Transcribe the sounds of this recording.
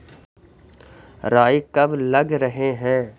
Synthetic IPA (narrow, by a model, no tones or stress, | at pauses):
ɾaːikɐblɐɡɾɐɦeɦɛ̃ː